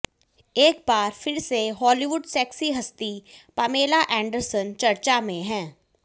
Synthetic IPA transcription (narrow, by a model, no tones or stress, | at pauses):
eːk̚baːɾfɪɾseɦɔːliʋʊɖsɛːksiɦɐst̪ipɐmeːlaʔɛ̃ːɳɖəɾsənt͡ʃɐɾt͡ʃamẽɦɛ̃ː